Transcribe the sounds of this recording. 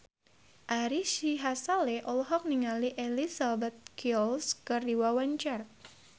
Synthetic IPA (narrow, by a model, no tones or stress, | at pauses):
ʔaɾiʃiɦasaleʔɔlɔɦɔk̚niŋaliʔelisabat̪̚kiɔlskərdiwawaɲt͡ʃar